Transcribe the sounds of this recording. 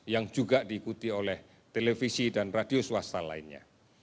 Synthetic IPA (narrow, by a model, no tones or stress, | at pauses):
jaŋd͡ʒuɡaʔd̥iːkut̪iolɛh | t̪elefisidanradiosuwast̪ala̰inɲa̰